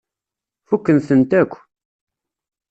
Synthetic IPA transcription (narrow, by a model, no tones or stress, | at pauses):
fukːənθənt̪ækʷː